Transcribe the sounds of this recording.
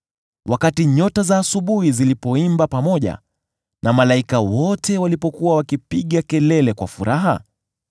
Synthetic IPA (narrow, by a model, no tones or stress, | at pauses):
wʔakatiɲɔtazaːsuɓuhizilipɔimbapamɔʄa̰ | nʔamalaikawɔtɛwalipɔkuwawakipiɠakɛlɛlɛkwa̰fuɾaɦa̰